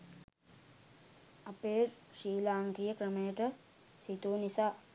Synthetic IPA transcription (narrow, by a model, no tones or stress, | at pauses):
ɐpeːɾ | ʂiːlaːŋɡɾijəkɾəməjəʈə | sit̪uːnisaː